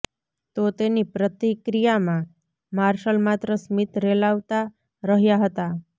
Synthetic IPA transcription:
t̪ot̪enipɾət̪ikɾijamã | maɾʃəlmat̪ɾəsmit̪ɾelaʋt̪a | ɾəɦjaɦət̪a

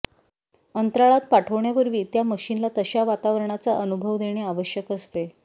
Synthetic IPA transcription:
ənt̪ɾaɭat̪̚paʈʰəʋɳjaʋəɾʋiːt̪jaməɕinlat̪əɕaʋat̪aʋəɾɳ̃at͡saʔənubʱəʋd̪eɽ̃eaʋəɕjəkəst̪e

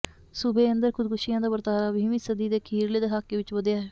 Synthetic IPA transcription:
sʊbeːənd̪əɾkʰʊd̪̚kʊʃijãːd̪aːbəɾt̪aːɾaːbiːʋĩːsəd̪iːd̪eːkʰiːɾleːd̪eɦaːkːeːʋɪt͡ʃʋəd̪jaːɦe

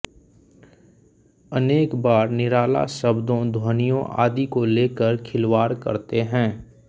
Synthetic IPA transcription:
əneːkbaːɾnɪɾaːla̰səbd̪õd̪ʱwoːnijõʔa̰ːd̪ikoleːkəɾkʰɪlwaːɾkə̰ɾt̪eɦɛ̃ː

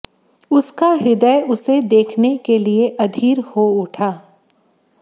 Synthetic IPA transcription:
ʊskaɾɪd̪əjʊsed̪eːkʰnekelieʔɐd̪ʱiːɾhoʊʈʰaː

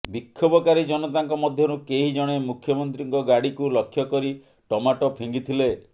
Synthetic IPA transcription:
bikʰːobɔkaɾid͡ʒɔnɔt̪aŋkɔmɔd̪ʱjɔɾukeɦid͡ʒɔɽ̃emukʰjɔmɔnt̪ɾiŋkɔɡaɽikulɔkʰːjɔkɔɾi | ʈɔmaʈɔpʰiŋɡit̪ʰile

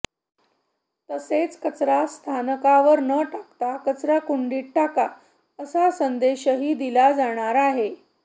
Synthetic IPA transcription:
t̪əset͡skət͡sɾast̪ʰanəkaʋəɾnəʈakt̪akət͡sɾakuɳɖiːʈ̚ʈaka | əsasənd̪eɕəɦiːd̪ilad͡zaɽ̃aɾaɦe

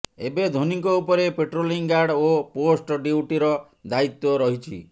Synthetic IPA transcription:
ebed̪ʱoniŋkɔupɔɾepeʈɾoliŋɡaɾɖoposʈɔɖiuʈiɾɔ | d̪ait̪ːɔɾɔɦit͡ʃʰḭ

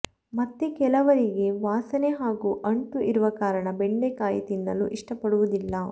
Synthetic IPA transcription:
mɐt̪ːekɛlɐʋɐɾiɡe̞ʋaːsɐneɦaːɡuːʔɐɳʈ̪uʔiɾuʋɐkaːɾɐɳɐbeɳɖekaːjɐt̪inːɐlːṵʔiʂʈɐpɐɽuʋud̪ilːɐ

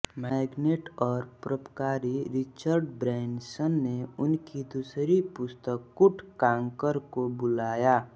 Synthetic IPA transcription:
mɛɡneʈɔːɾpɾəpkaːɾiɾɪt͡ʃəɾɖbɾɛːɳɖsənːeʊnkid̪usɾipʊst̪əkːʊʈʰkãːŋkəɾkobʊlaːja

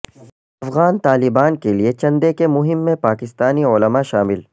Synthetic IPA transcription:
ɐfɣaːnt̪aːlɪbaːnkeliet͡ʃɐ̃nd̪ekemʊɦɪmːẽpaːkɪst̪aːnioːləmaʃaːmɪl

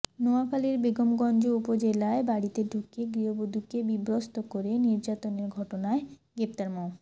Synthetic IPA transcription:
noakaleɾbeɡomɡɔnd͡ʑoupod͡ʑelaebaɽit̪edʱukeɡɾiɦobod̪ʱukebibɾost̪okoɾeniɾd͡ʑat̪oneɾɡʱɔʈonaeɡɾep̚t̪aɾmɔ

